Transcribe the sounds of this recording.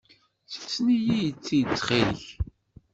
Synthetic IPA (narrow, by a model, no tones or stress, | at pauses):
sə̥ft͡sːnijijət͡sːit͡sːχiləç